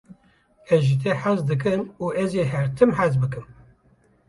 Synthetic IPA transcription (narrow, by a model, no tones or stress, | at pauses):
ɛzʒit̪ʰɛħazd̪ɨk̬ɨmuːʔɛzeɦɛɾt̪ʰɨmħæzbɨkɨm